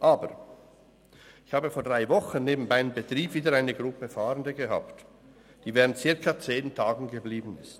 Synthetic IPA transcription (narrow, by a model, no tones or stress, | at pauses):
ʔaːbəʁ | ɪçhaːbəfoːɐd̥ʁaɪvɔχənneːbm̩baɪəmbətʁ̥iːbviːdəɾaɪnəɡʁʊpəfaːʁəndəɡəɦa̰ːpt | d̥iːvɛːʁəntt͡sɪɐkɐt͡seːntʰaːɡŋ̩ɡəbliːbn̩ɪst